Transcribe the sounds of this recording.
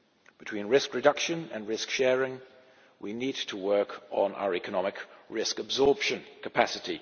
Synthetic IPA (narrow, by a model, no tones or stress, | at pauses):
b̥ɨtʰw̥ĩnɹɪskɹɨdʌkʃə̃nə̃nɹɪskʃɛɹɪ̃ŋ | winid̚tʰəwɜˑ˞kʰn̩ʔa̰ʊəɹɛkənɑmɪkʰɹɪskəbzɔɹpʃə̃nkʰəpʰæsɨti